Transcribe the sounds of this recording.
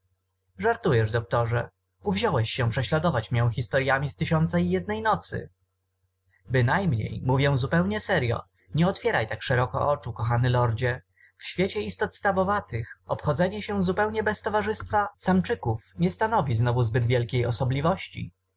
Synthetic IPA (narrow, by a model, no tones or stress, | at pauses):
ʐaɾt̪ujɛʐd̪ɔk̚t̪ɔʐɛ | uvʑɔwɛɕːɛ̃pʂɛɕlad̪ɔvat͡ɕmjɛ̃w̃xʲist̪ɔɾjamʲist̪ɘɕɔnt̪saijɛd̪̚nɛjnɔt̪sɘ̰ | bɘnajmɲḛjmuvʲjɛ̃zupɛwɲɛsɛɾjɔ̰ | ɲɛɔt̪fʲjɛɾajt̪akʂɛɾɔkɔ̰ʔɔt͡ʂukɔxanɘlɔɾd͡ʑɛ | fɕfʲjet͡ɕɛist̪ɔt̪st̪avɔvat̪ɘxɔpxɔd̪zɛɲɛɕɛ̃zupɛwɲɛbɛst̪ɔvaʐɘst̪fasamt͡ʂɘkufɲɛst̪anɔvʲiznɔvuzbɘd̪vʲjɛlkʲejɔsɔblʲivɔɕt͡ɕḭ